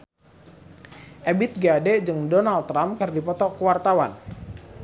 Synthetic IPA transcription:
ʔɛbɪt̪̚ɡadɛd͡ʒɨŋdɔnalt̪ːɾamkɨrdipɔt̪ɔkəwart̪awa̰n

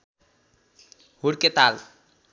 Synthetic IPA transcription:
huɽket̪al

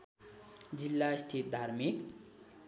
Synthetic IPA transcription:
d͡zilːast̪ʰit̪̚d̪ʱaɾmik

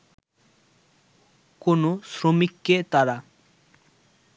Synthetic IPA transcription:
konosɾomikːet̪aɾa

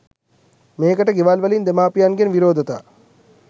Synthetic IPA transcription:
meːkəʈəɡeʋalʋɐlind̪emaːpijanɡenʋiɾoːd̪ət̪a̰ː

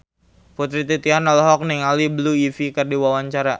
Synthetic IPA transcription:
put̪ɾit̪it̪ianɔlɦɔk̚niŋalibəluifikərdiwawaɲt͡ʃaɾa

